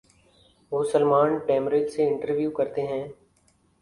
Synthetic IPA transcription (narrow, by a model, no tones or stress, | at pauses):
ʋoːsəlmaːnʈɛːmɾed͡ʒseɪ̃ɳʈəɾʋjuːkɐɾt̪eɦɛ̃ː